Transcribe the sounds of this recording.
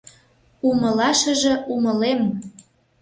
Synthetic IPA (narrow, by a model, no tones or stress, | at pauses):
uməlɑʃə̆ʒĕuməlem